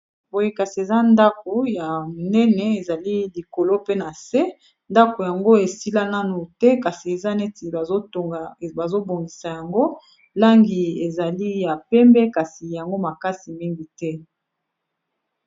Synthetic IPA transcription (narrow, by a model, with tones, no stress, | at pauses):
bo˨ji˦ka˨si˨e˨za˦nda˦ko˨ja˨mo˨nɛ˦nɛ˨e˨za˨li˦li˨ko˨lo˦pe˦na˨sɛ˦ | nda˦ko˨ja˨ŋɡo˦e˨si˦la˦na˦nu˨tɛ˦ka˨si˨e˨za˦nɛ˦ti˨o˦o˨ba˨zo˦bo˨ŋɡi˨sa˨ja˨ŋɡo˦ | la˦ŋɡi˨e˨za˨li˦ja˨pɛ˦mbɛ˦ka˨si˨ja˨ŋɡo˦ma˨ka˦si˨mi˦ŋɡi˨tɛ˦